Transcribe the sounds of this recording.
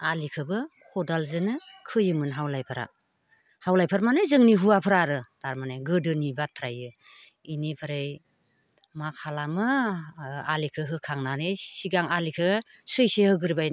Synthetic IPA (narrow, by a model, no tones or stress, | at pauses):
alikʰɯbɯkʰɔdalzɯnɯ | kʰɯjɯmɯnɦawlajpʰɯɾa̰ | hawlajpʰaɾmanɯjzɯŋniɦuapʰɯɾaɾɯd̥aɾmanajɡɯdɯnibatʰɾajɯ | inepʰɯɾaj | makʰalamɯ | alikʰɯɦɯkʰaŋnanejsiɡaŋalikʰɯ | sɯjsehɯɡɯɾbaj